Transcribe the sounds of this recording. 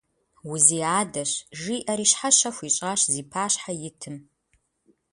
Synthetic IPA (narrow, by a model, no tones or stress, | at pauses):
wʊziːaːdɐɕʒiːʔɐɾiːʃħaɕɐxʷit͡ʃʼaːɕziːpʰaːɕħajɪtʰɨm